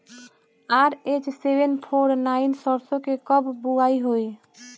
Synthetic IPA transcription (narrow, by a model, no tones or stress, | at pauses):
aɾet͡ʃsebenpʰoːɾnainsɔɾsõkekəbbuaiɦoi